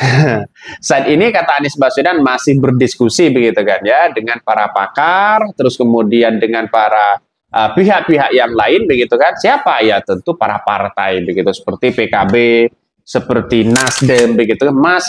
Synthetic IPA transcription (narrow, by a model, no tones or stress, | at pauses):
sat̪inikat̪aːnɪsbasudanmasɪhbərdiskusibəɡit̪ukanjadəŋanpaɾapa̰kart̪əɾʊskəmudiandəŋanpaɾa | ʔəpiɦaʔ̚piɦaʔjaŋlaɪnbəɡit̪ukansiapajat̪ənt̪upaɾa̰pa̰rt̪a̰jbəɡit̪usə̥pərt̪ipekabe | səpərt̪inasdəmbəɡit̪ukanmas